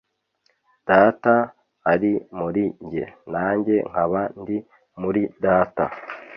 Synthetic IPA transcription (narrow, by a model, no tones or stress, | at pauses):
d̥aːta | haɾimuɾiɲɟe̞̰naːɲɟe̞ŋ̥haβandi | muɾidaːta̰